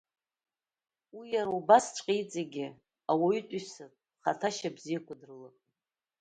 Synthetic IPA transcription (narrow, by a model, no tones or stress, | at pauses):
wijaɾaubast͡ʃʷʼqʼijd͡zaɡʲɪ | awaytʼisɨrʼ | χatʰaʃabzijakʷʰʼadɨrlɨ